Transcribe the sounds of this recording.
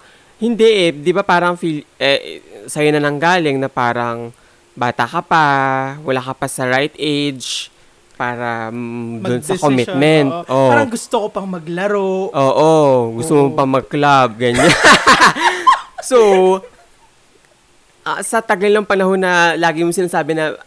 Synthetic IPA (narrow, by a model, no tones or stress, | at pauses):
hɪnd̪ɛʔɛd̪ɪbapaːɾɐŋfilʔɛsɐjonɐnɐŋɡaːlɪŋnɐpaːɾɐŋ | baːt̪ɐkɐpawɐlaːkɐpɐsɐɹajt̪ʔejd͡ʒ | paːɾɐd̪ʊnsɐkomɪmɛnt̪ʔoaɾŋɡʊst̪okopɐŋmɐɡlɐɾoʔoːʔoɡʊst̪omopɐŋmɐɡ̚klab̚ɡɐɲa | so | ʔɐsɐt̪ɐɡɐlnɐŋpɐnɐho̞nːɐlaːɡɪmosɪnaːsaːbɛnɐ